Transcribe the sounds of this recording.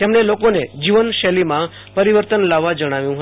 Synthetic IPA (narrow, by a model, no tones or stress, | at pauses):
t̪emɳelokoned͡ʒiʋənʃɛlimã | pəɾiʋəɾt̪ənlaʋːad͡ʒəɽ̃aʋjũɦə